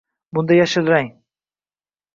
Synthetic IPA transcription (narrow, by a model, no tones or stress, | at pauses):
bʊnd̪ajaʃɪlɾaŋ